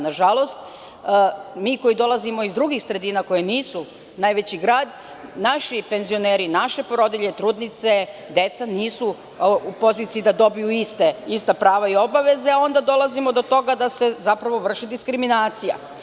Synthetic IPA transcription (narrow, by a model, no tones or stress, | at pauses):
naʒalo̞st̪̚ː | miːko̞jid̪o̞lˠazimo̞izd̪ɾuɡixsɾe̞d̪iːnako̞jeniːsu | najʋe̞t͡ɕiɡɾaːd̪ | naʃipe̞nzio̞neːɾinaʃe̞pɾo̞d̪iʎe̞t̪ɾuːd̪nit̪se̞d̪e̞t̪saniːsu | upo̞ziːt̪iid̪ad̪o̞bijuist̪eist̪apɾaːʋaio̞baʋe̞zeao̞nd̪ad̪o̞lˠazimod̪o̞t̪o̞ɡad̪ase̞zapɾaʋo̞ʋr̩ʃid̪iskɾiminaːt̪sija̰